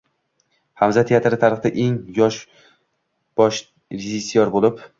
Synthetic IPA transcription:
hamzat̪ʰeat̪ʰɪɾɪt̪ʰaɾɨχd̪aʔe̞ŋjɒʃ | b̥ɒʃ | ɾɪzisijɒɾbolɪp

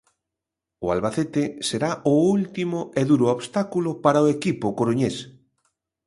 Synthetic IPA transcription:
ʊalβaθet̪ɪseɾaʔʊult̪imʊʔeðuɾʊoβst̪akulʊpaɾaoekipʊkoɾuɲes

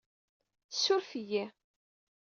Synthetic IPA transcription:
sːʊɾfəjæ

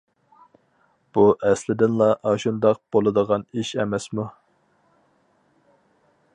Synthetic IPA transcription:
b̥uʔɛslɪd̪ɪnlˠɑʔɑʃund̪ɑq̚b̥olˠɨd̪əʁɑniʃɛmɛsmu

